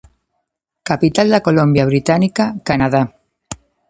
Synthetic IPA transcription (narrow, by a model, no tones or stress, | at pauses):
kapit̪ald̪akolõmbjaβ̞ɾit̪anikakanað̞a